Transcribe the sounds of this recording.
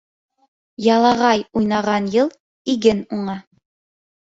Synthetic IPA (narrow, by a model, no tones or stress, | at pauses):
jɑlˠɑʁɑjujnɑʁɑnjɤlˠ | iɡɘnuɴɑ